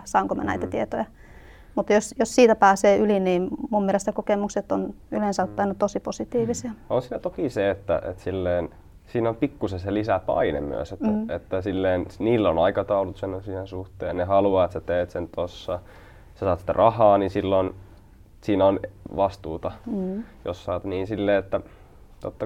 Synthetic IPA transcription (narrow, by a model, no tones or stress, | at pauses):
sɑˑoŋkomɑ̰næ̰it̪æt̪iet̪ojɑ | mut̪josjossiːt̪æpæːseːʔyliniːmmummielest̪ækokemukset̪ːon | ylensɑt̪ːˑɑinɑt̪osiposit̪iːʋisiɑonsiːnæt̪okiseet̪ːæ̰ʔḛt̪silːeːn | siːnompikːusenselisæpɑ̰inḛmmy̰æ̰set̪et̪ːæsilːeːnsniːlːonɑikɑt̪ɑulut̪senːonsihensuht̪ḛːnnehɑluɑet̪set̪eːt̪sent̪osːɑ | sɑsɑːt̪si̥t̪æ̰rʔɑhɑːnisilːon | siːnæonʋɑst̪uːt̪ɑjo̰ssɑːt̪niːnsilːeːet̪ːæ | t̪ot̪ːɑ